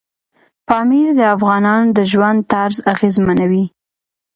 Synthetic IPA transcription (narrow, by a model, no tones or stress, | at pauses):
fɑmiɾd̪əafɣɑnɑnod̪əʒwand̪̚t̪aɾzaɣezmanawi